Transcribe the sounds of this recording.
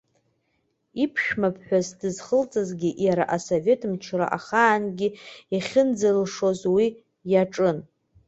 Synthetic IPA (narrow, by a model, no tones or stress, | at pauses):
ipʰʃᶣmapʰħʷᶣazdɨzχəlt͡sʼazɡʲiʔjaɾaʔasove̞tʰmt͡ʃʰra̰ʔaχaːnɡʲiaχʲɪnd͡zalʂo̞zwi | jaʈ͡ʂʼɨn